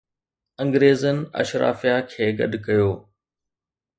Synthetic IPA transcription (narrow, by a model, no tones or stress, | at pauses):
ɐ̃ŋɡɾeːzənɪ̆ɐ̰ʃɾa̰ːfijakʰeːɡɐ̰ɗkɐjoː